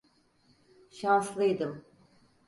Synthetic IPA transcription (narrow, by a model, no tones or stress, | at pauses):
ʃanslˠɯjd̪ɯm